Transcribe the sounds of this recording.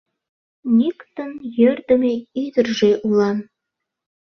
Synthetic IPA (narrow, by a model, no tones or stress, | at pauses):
nʲikt̪ənjørd̪ə̆meid̪ə̆rʒeʔulɑn